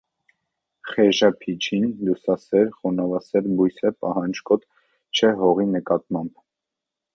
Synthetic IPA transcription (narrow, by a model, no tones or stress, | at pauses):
χɛʒɑpʰit͡ʃʰinlusɑsɛɾχɔnɑvɑsɛɾbujsɛpɑɦɑnd͡ʒkɔt̪ | t͡ʃʰɛɦɔʁinəkɑt̪̚mɑmb